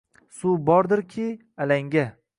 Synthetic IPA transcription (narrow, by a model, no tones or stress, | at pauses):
subɒɾd̪ɪɾkʲʰɪ | alaŋɡʲa